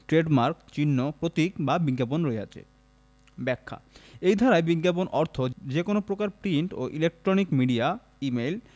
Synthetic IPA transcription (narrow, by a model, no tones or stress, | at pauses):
ʈɾeɖmaɾkt͡ɕinːopɾot̪ikbabiɡaponɾoea̰t͡ɕʰḛ | bɛkʰːa̰ejd̪ʱaɾaebiɡaponʔɔɾt̪ʰod͡ʑekonopɾokaɾpɾiɳʈo̰ʔilek̚ʈɾonikmiɖia | imel